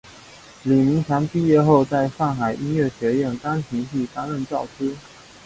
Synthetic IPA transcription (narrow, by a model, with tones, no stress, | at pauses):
li˨˩mi˧˥ŋt͡ɕʰa˧˥ŋpi˥˧jɛ˥˧xo˥˧ʊt͡sa˥˧ɪʂa˥˩ŋxa˨˩ɪʔi˥nɥɛ˥˩ɕɥɛ˧˥jɛ˥˩nka˥ŋt͡ɕʰi˧˥ŋɕʰi˥˩t̪a˥ŋɻə˥˧nt͡sɑ˥˩ʊʈ͡ʂ̩ʰ˥